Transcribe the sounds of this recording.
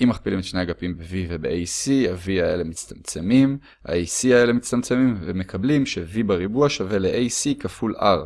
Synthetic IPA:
ʔimːaχpilimet̪ʃnejaɡapimbevivebḛʔejsiaviaḛlemit͡st̪amt͡se̞mim | ha̰ejsiae̞le̞mit͡stamt͡se̞mimvemekʰablimʃevibaʁibuaʃave̞leʔejsikafula̰ʁ

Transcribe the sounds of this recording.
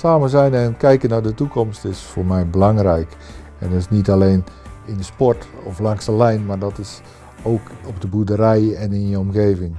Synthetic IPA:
saːməzɛjnɛnkɛjkənardətukɔmstɪsfoːrmɛjbəlaŋrɛjk | ɛndɔtɪsnitaleːnɪndəspɔɹtɔflaŋsəlɛjnmardɔtɪs | oːkɔpdəbudəɾɛjɛnɪnjəɔmxeːvɪŋ

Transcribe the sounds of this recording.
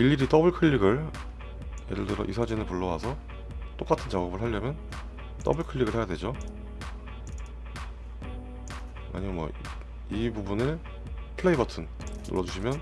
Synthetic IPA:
iʎːiɾit͈ʌbɯɭkʰɯʎːiɡɯɭ | jeɾɯɭdɯɾʌ̰ʔisʰad͡ʑinɯɭpuɭːʌwasʰʌ | t͈ok͈atʰɯnt͡ɕaɡʌbɯɭɦaʎːʌmjʌn | t͈ʌbɯɭkʰɯʎːiɡɯɭhejadwe̞d͡ʑo | a̰ɲiɡomwʌ̰ | ibubunɯɭ | pʰɯɭe̞ibʌtʰɯnː | o̰ɾʌd͡ʑuɕʰimjʌn

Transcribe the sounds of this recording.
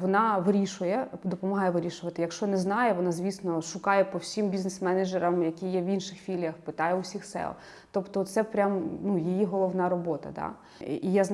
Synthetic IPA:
ʋɔnɑʋɪɾʲiʃʊjɛd̪ɔpɔmɐɦɑjɛʋɪɾʲiʃʊʋɐt̪ɪjɐkʃt͡ʃɔnɛznɑjɛʋɔnɑzʲʋʲisnɔʃʊkɑjɛpɔwsʲimbʲiznɛsmɛned͡ʒɛɾɐmjɐkʲijɛʋinʃɪxfʲilʲjɐxpɪt̪ɑjɛʊsʲixsɛ̰lˠ | t̪ɔpt̪ɔt̪sɛpɾʲamnujijiɦɔlˠɔʋnɑɾɔbɔt̪ɐ̰d̪ɑ̰ | ijazn

